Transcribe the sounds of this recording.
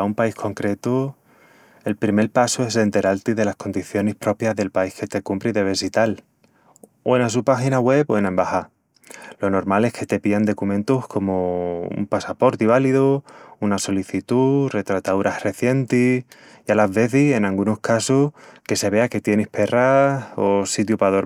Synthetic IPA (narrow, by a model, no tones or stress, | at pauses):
aumpaihkʰo̞ŋkɾe̞t̪u | e̞lpɾime̞ɾpasue̞se̞nt̪e̞ɾalt̪iðe̞lahko̞nd̪iθjo̞nehpɾo̞pjaɦðe̞lpaihke̞t̪e̞kumpɾiðe̞βe̞sit̪al | oenas̬upaxinaɣwe̞poenaembaha | lo̞no̞ɾmale̞hkʰe̞t̪e̞piand̪o̞kumẽ̞nt̪uhkʰo̞moṵmpasapo̞ɾt̪iβ̞aliðuunaso̞liθit̪ure̞t̪ɾat̪auɾahre̞θje̞nt̪i | jalazβe̞θise̞nalɡunohkasuhke̞se̞βe̞ake̞t̪je̞nihpe̞rao̞sit̪̬jupaðoɾ